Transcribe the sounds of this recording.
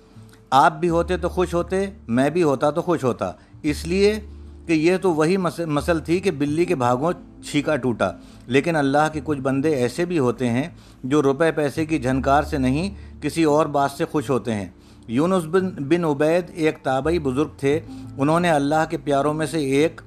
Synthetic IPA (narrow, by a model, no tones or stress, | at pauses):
aːp̚bʱiɦoːt̪et̪oxʊʃɦoːt̪emɛ̃ːbʱiɦoːt̪at̪oxʊʃɦoːt̪a̰ː | ɪsliekejet̪oʋɐɦimɐsəlt̪ʰikebɪlːikebʱaːɡõ | t͡ʃʰiːkaʈuːʈa̰ː | leːkɪnɐlːaɦkekʊt͡ʃʰbɐ̃nd̪eɛːsebʱiɦoːt̪eɦɛ̃ | d͡ʒoːɾʊpepɛːsek̬id͡ʒʱɐnkaːɾsenɐɦĩkɪsiɔːɾbaːt̪sexʊʃɦoːt̪eɦɛ̰̃ː | juːnʊsbɪnʊbɛːd̪eːkt̪aːbaibʊzʊɾɡ̚t̪ʰeʊnɦõneɐlːaɦkepjaːɾõmẽseːk